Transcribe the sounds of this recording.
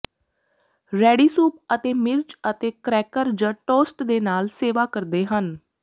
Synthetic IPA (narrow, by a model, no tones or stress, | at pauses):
ɾɛːɖiːsuːpət̪eːmɪɾt͡ʃət̪eːkɾɛːkəɾd͡ʒãːʈoːsʈd̪eːnaːlseːʋaːkəɾd̪eːɦən